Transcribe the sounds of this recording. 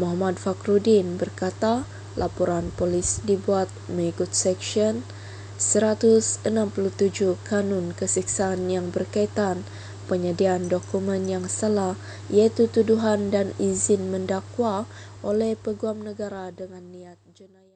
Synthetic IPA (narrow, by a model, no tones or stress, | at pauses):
moɦamadfakɾudinbərkat̪a | lʔapoɾanpolisdibuat̪̚məŋikut̪̚sɛksiɔn | səɾat̪usənampulut̪ud͡ʒukanɔnkəsiksaːnjaŋbərkait̪an | pəɲadiandokumɛnjaŋsəlah | ijait̪ut̪uduɦandanizɪnməndakwaʔolɛhpəɡuamnəɡaɾadəŋanːiat̪̚d͡ʒənaj